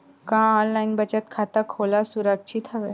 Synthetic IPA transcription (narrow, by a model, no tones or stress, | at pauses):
kãːɔːnlaːinbət͡ʃət̪kʰaːt̪akʰoːlasʊɾəkʃʰit̪ɦɐʋe